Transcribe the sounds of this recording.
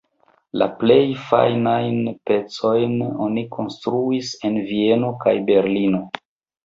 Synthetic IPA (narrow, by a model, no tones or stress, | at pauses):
la̰ple̞jfa̰jnajnpe̞t͡so̞jno̞̰nikʰo̞nstɾuise̞nvie̞no̞ka̰jbe̞ɾlino̞